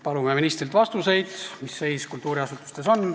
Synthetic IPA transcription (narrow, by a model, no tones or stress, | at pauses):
pɑlumeminist̪rilt̪vɑst̪use̞jd̪̥misːe̞jskult̪ːˑuːɾiɑsut̪ːˑu̥st̪e̞so̞n